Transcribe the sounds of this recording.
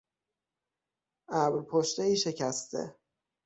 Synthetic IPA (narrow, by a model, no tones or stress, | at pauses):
ʔæbɾpʰoʃt̪eiːʃe̞cʰæst̪ʰḛ